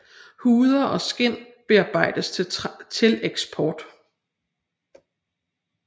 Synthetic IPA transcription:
huːð̞ˠɐʔɒ̽sɡ̥en̰ | b̥e̝ɑ̈ːb̥ɑ̈ɪ̰d̥əst͡sʰe̝leɡ̥sb̥ʰɒːd̥

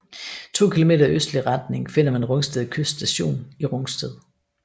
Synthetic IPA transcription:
t͡sʰo̝̰ːkʰilo̝me̝̰ːd̥ɐøsd̥liʁɑd̥̚ne̝ŋfe̝n̰ɐmænnʁɔ̽ŋsd̥eðˠkʰøssd̥æɕo̝̰ːniʁɔ̽ŋsd̥eðˠ

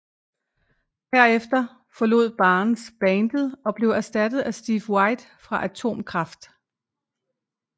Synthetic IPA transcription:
hæɐ̰efd̥ɐ | fɒ̽lo̝ð̰ˠb̥ɑ̈ːnn̩sb̥ɛnd̥əð̩ˠɒ̽b̥le̝ʊæɐsd̥æd̥ð̩ˠæsd̥iːfwɑ̈ɪd̥ | fʁɑ̈ʔæt͡sʰo̝̰ːmkʰʁɑ̈fd̥

